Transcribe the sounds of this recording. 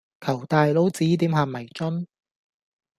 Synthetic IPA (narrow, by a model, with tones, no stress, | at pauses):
kʰɐ˨˩wt̪aː˨jlo˨˥wt͡siː˨˥t̪iː˨˥mɦaː˨mːɐ˨˩jt͡ʃɔ˥n